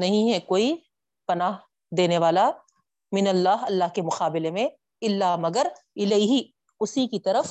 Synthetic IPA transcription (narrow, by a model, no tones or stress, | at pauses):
nɐɦĩɦɛkoːi | pɐnaːɦ | d̪eːneʋaːla | mɪnɐlːaːɦɐlːaɦkemʊqaːbɪlemẽ | ɪlːaːmɐɡəɾɪleiɦi | ʊsikit̪ɐɾəf